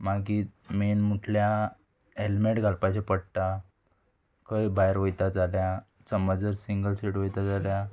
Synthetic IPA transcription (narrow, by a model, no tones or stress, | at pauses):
maɡiːmenmuʈʰlja | elmeʈɡʱalpat͡ɕepəɽt̪a | kəjbajɾʋəjt̪ad͡zalja | t͡səməd͡zəɾsiŋɡəlsiʈʋəjt̪ad͡zalja